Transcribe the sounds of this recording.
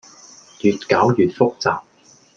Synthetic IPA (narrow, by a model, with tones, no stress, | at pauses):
jyː˨t̚kaː˨˥wjyː˨t̚fʊ˥k̚t͡saː˨p̚